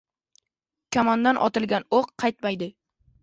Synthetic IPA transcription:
kʲʰamand̪anʔɒ̰t̪ɪlˠɡʲanoqʰːɑjt̪majd̪ɪ

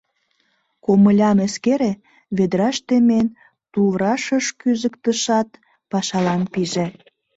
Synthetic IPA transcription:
koməlʲɑmeskeɾe | βed̪ɾɑʃt̪emen | t̪uβɾɑʃəʃkyzəkt̪əʃɑt̪ | pɑʃɑlɑmpiʒĕ

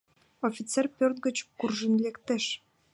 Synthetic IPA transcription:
ofʲit͡serpʲørt̪̚ɡə̆t͡ɕkurʒə̆nlekt̪eʃ

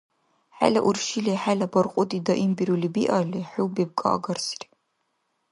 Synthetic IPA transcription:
ħa̰lɐʔurʃileħalɐbɐrqʷʼʊdidɐʔimbiɾulibiʔaɮiħuwbeb̚kʼa̰ʔɡɐrsr

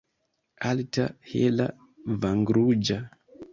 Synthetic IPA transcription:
altahela | vaŋɡɾud͡ʒa

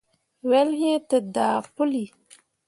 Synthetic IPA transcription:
welɦẽt̪əd̪aːpʊli

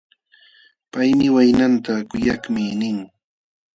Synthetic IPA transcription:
pajmɪwajnant̪akʊjaχmɪnɪŋ

